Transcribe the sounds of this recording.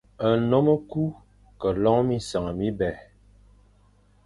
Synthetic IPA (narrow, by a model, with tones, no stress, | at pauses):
ə˨nɔ˦mə˦ku˦ | kə˨lɔ˦ŋmi˦sə˨ŋ˨mi˦bɛ˨